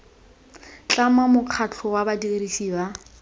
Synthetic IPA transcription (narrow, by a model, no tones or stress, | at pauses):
t͡ɬʼamamʊq͡χʰat͡ɬʰʊwabadirisiːba